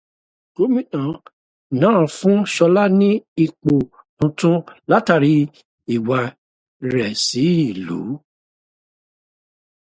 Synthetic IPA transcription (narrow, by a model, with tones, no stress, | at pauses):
ko˨˦mĩ˦nã˨ | nãː˨˦˨fũ˦ʃɔ˧la˦nĩ˦i˦˧k͡po˨ | nũ˨˧tũ˦la˦ta˦˨ɾi˧˦ | i˨wa˧ | ɾɛ˨si˨˦i˦˨lṵ˨˦